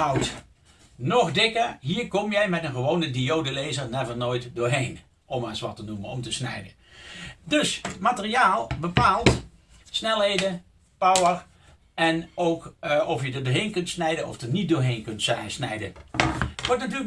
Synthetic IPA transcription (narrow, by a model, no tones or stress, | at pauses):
ɑwt | nɔχdɪkəɹɦiːɹkɔmjɛjmɛtənχəʋownədiowdəlejzəɹnɛvənoːjtdʊːɹɦejn | ʔɔmaːɪsʋɑtənumənɔmtəsnɛ̰jdə | dɵsmaːtəriaːlˠbəpaːlˠt | snɛlˠɦejdə | pɑwər | ʔɛnowkɔfjədədʊːɹɦejnkɵntsnɛjdənɔ̰fdənit̚dʊːɹɦejnkɵntɛsnɛjdə̰ | ʋɔɹtnatyːlək